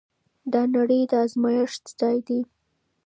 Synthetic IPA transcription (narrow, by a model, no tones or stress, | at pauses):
d̪ɑnaɽəjd̪əazmɑjɪʂzd̪ɑjd̪i